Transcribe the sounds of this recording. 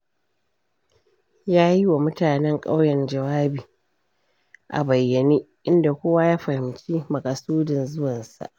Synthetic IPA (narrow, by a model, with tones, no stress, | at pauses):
jaː˦ji˦wa˨mʊ˦taː˨nɛ˦ŋkʼa̰˦wjɛ˨nd͡ʒɐ˨waː˦biː˨ | ʔa̰˨bɐ˨jːɐ˨niː˦ʔɪ˦nda˨kʷoː˦wa˦jaː˦ɸɐ˨hɪ˨mt͡ʃiː˦mɐ˨kʼa˨suː˦dɪ˨nzʊ˦wɐ˨nsa̰˨ʔ